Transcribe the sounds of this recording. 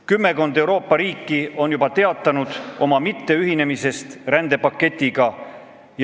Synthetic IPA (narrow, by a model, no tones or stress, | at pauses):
kymːe̞ko̞nd̪ewɾo̞ːpːˑɑɾiːkːˑio̞njubɑt̪e̞ɑt̪ːˑɑnud̪̥ʔo̞mɑmit̪ːe̞yɦine̞mise̞st̪rænd̪̥e̞pɑkːe̞t̪ʲːˑiɡ̥ɑ | j